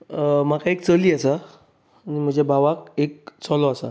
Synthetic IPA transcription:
m̤akaek̚t͡səliːasa | nim̤ə̃ɳd͡zebʱaʋak̚ek̚t͡sɔlɔasa̰

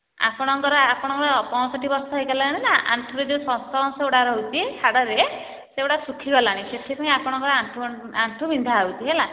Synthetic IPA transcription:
a̰pɔɽ̃ɔŋkɔɾɔapɔɽ̃ɔŋkɔɾɔpɔ̃ɔsɔʈibɔɾsɔɦejɡalaɽ̃inaʔa̰ɳʈʰuɾed͡ʒewsɔ̃st̪ɔɾɔ̃nseuɽaɾɔɦwt̪ʰihaɽɔɾe | seoɽasukʰiɡɔlaɽ̃iset̪ʰipaĩapɔɽ̃ɔŋkɔɾɔaɳʈʰu | aɳʈʰubind̪ʱaawt̪ʰiɦela

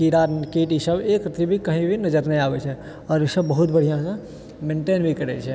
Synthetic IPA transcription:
kiɾakiʈisəbekɾɪt̪ɾibʱikəɦĩbʱinəd͡ʒəɾnəĩabɛt͡ʃʰɛ | ɔːɾisəbːəɦut̪̚bəɽ̤ijãsə̃ | mẽːɳʈeːnbʱikəɾɛt͡ʃʰɛ

